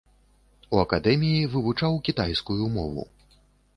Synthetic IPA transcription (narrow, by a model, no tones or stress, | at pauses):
uɐkad̪ɛmʲijivɨvut͡ʂawkʲit̪ajskujumɔvṵ